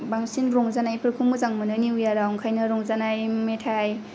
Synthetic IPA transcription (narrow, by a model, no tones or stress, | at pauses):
baŋsinɾɔŋzanajpʰɯɾkʰumɯzaŋmɯnɯniujaɾaŋkʰajnɐɾɔŋzanajmetʰaj